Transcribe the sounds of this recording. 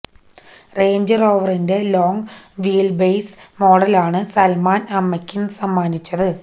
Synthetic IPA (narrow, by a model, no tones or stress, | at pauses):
re̞ːɲd͡ʑɐro̞ːʋɐrinde̞lo̞ːŋʋiːlbejsmo̞ːɽɐlaːɳɨsɐlmaːnɐmːɐkʲːunsɐmːaːnit͡ɕːɐðɨ